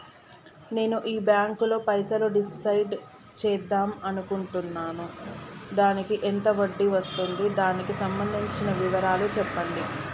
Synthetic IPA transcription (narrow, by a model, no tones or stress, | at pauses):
ne̞ːnuʔiːbjaːŋklo̞ːpɐjsɐloɖisɐjɖ | t͡ʃɛːd̪ːaːmɐnukuɳʈunːaːnud̪aːnikiʔent̪ɐʋɐɖːiʋɐst̪und̪id̪aːnikisɐmbɐnd̪ʱiɲt͡ʃinɐʋiʋɐɾaːlut͡ʃɛpːɐɳɖi